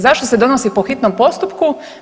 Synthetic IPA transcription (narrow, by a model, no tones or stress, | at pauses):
zaʃt̪osed̪o̞nosipoxit̪nompo̞st̪upku